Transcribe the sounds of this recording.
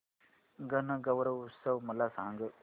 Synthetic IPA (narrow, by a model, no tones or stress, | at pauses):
ɡɐnɐɡɐʋɾɐʋusɐʋmɐlːasa̰ːŋɡɯ